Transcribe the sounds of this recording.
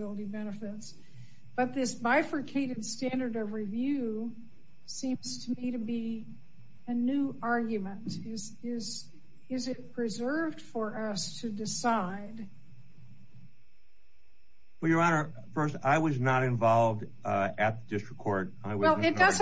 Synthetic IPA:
ɪlˠəɾibɛnɨfɪts | b̥ʌt̪̚ðɪsbaɪfɹɨkʰeɪɾɨdstæ̃ndə˞ɾʌvɹivjʉ | sĩmz̥tʰɨmiɾɨbi | ɨnʉɑɹɡjɨmə̃ntɪz | ɪz | ɪzɪt̚pʰɹ̥izɜ˞vd̥fə˞ʔʌstʰɨdɨsaɪd | wɛljə˞ɑnə˞ | fɜ˞staɪwʌznəɾɨ̃ɱvɑlˠvd | ɨt̪̚ðədɪstɹ̥əkʰːɔɹɾ | aɪwwɛlˠɨt̚d̥ʌz

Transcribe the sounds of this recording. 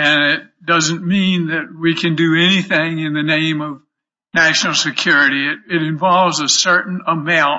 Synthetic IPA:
ɨ̃nɪt̚d̥ʌzɨ̃nmĩnðɨt̚wikʰɨ̃ndɨɛniθɪ̃ŋɨ̃nðɨnẽɪ̃mʌv | næʃnl̩ˠsɨkʰj̥ʊɹɨɾiɪɾ̚ɨɾɨ̃ɱvɑlˠvzəsɜ˞ʔn̩əmãʊ̃n

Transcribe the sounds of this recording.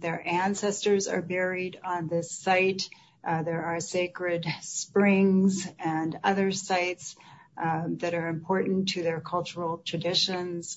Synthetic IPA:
ðə˞ʔæ̃nsɛstə˞zɑ̰˞bɛɹiɾn̩ðɪsaɪt | ðə˞ɑɹseɪkɹɪdspɹɪ̃ŋzɨ̃nʌðə˞saɪts | ðɨɾə˞ɨ̃mpʰɔɹʔn̩tʰɨðə˞kʰʌlˠt͡ʃə˞l̩ˠtʰɹ̥ɨdɪʃɨ̃nz̥

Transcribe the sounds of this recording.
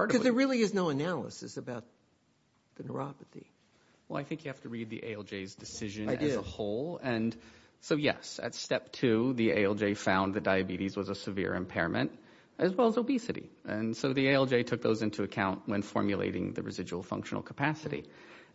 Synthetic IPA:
ɑɹɾkʌzðə˞ɹɪlˠiɨznoʊɨnælˠə̰sɨsɨbaʊt̪̚ | ðɨnə̰˞ɑpɨθḭ | wɛlˠa̰ɪθɪ̃ŋkjɨhæftɨɹid̪̚ðḭʔḛɪɛlˠd͡ʒeɪzdɨsɪʒɨ̃nzəhoʊlˠɨ̃n | soʊjɛ̰sɨ̰tstɛp̚tʰʉðiḛɪɛlˠd͡ʒeɪfãʊ̃nðɨt̚d̥aɪɨbiɾizwʌzəsɨvɪ̰ɹɨ̰̃mpʰɛɹɨmʔɨ̰̃nt | ɨzwɛlˠəzoʊbisɨɾḭɨ̃nsoʊðieɪɛlˠd͡ʒeɪtʰʊk̚ðoʊzɪ̃ntʰʉɨkʰãʊ̃nʔwɨ̃nfɔ̰ɹmjɨlḛɪɾɪ̰̃ŋðɨ̰ɹɨ̰zɪd͡ʒʉl̩ˠfʌ̰̃ŋkʃn̩l̩ˠkʰə̥pʰæsɨɾḭ

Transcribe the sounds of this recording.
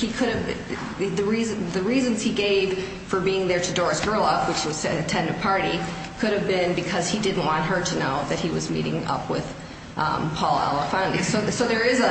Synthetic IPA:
hikʰʊɾɨvb | ðɨɹizðɨɹizɨ̃nz̥iɡeɪv̥ | fə˞biɪ̃ŋðə˞ɾɨdɔɹɨsɡ̥ɜ˞lˠʌpwɨt͡ʃwʌz̥ɨɨtʰɛ̃ndɨd̚pʰɑɹɾi | kʰʊɾɨvbɪ̃nbɨkʰʌz̥idɪdⁿn̩ʔwɑ̃nt̚ɦə˞ɾɨnoʊðɨt̚hiwʌzmḭɾɪ̰̃ŋʌ̰pwɪ̰ð̥ | pʰɔlˠæ̰lˠəfɑ̃ndḭsoʊsoʊðə˞ɪzə

